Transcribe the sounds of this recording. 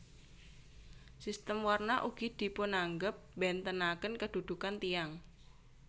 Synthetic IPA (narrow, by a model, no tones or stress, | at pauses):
sist̪əmwarnaʔuɡ̥id̪̥i̤pʊnaŋɡəp̚bɛnt̪ənakənkəd̪̥ṳd̪̥ukant̪ijaŋ